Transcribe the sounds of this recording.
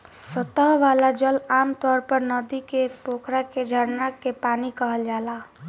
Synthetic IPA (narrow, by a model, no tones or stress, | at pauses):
sət̪əɦʋaːlad͡ʒəlaːmt̪ɔːɾpəɾnəd̪ikepoːkɾaked͡ʒʱəɾnakepaːnikəɦəld͡ʒaːlaː